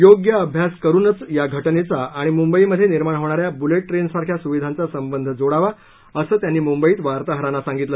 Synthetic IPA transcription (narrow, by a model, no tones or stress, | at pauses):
joɡjəəbʱjaskəɾuːnət͡sjaɡʱəʈnet͡saːɽ̃imumbəiməd̪ʱːjeniɾmaɳɦoʋɳ̃aɾjabuleʈ̚ːɾensaɾkʰjasuʋid̪ʱant͡sasəmbənd̪ʱd͡zoɽaʋa | əsəːt̪janːiːmumbəiːt̪ʋaɾt̪aɦəɾanːasãŋɡit̪lə